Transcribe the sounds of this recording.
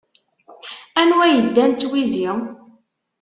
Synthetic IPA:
ænwæjəd̪ːænt̪ːwizi

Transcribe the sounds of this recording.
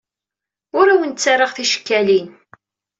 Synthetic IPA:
ʊɾæwənt͡sːaɾˤɑʁθiʃə̥kːælin

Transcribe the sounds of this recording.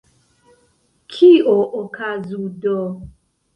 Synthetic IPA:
kʰioʔokʰazudɔ

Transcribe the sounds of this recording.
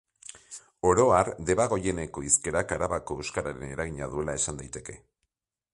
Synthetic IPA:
o̞ɾo̞aɾd̪e̞βaɣ̞o̞je̞ne̞ko̞iske̞ɾakaɾaβako̞ewskaɾaɾe̞ne̞ɾaɣ̞iɲaðue̞lae̞sand̪ajt̪e̞ke̞

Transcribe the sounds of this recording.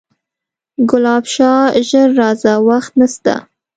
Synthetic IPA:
ɡʊlɑbʃɑʒəɾːɑzawaxt̪nast̪a̰

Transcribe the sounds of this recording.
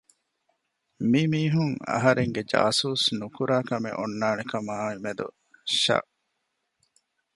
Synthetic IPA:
mimiːɦuŋɐ̰ɦɐɾeŋɡed͡ʒa̰ːsuːsnukuɾaːkɐmḛʔonːaːnekɐmaːimed̪ṵ | ʃɐ̰ʔ

